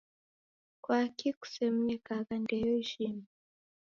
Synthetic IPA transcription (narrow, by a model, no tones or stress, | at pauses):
kwakiku̥sɛm̩ɲɛkakandɛjɔʒimi